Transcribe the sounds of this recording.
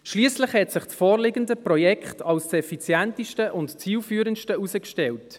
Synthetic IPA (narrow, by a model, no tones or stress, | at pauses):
ʃliːslɪχhɛtsɪχt͡sfoːɾlɪɡəndəprɔjɛkχtʰɑlssɛfit͡sjɛntiʃtəʔʊntt͡siːlfyːɾənʃtəusəkʃtɛlt